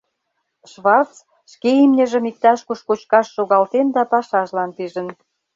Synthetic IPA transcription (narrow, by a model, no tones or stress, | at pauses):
ʃβɑrtt͡s | ʃkeimnʲə̆ʒə̆mik̚t̪ɑʃkuʃkot͡ɕkɑʃːoɣɑlt̪end̪ɑpɑʃɑʒlɑnt̪iʒə̆n